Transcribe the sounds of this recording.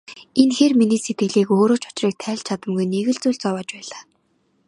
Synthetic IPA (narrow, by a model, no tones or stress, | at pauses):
enxeːrminiːset̪ɡɘ̆ɮiːkoːɾoːt͡ɕʰʊ̥t͡ɕriːk̚t̪ʰæːɮt͡ɕʰat̪ə̆mɡujneɣɘ̆ɮt͡suːɮt͡sɔwɔːt͡ɕpæːɮaː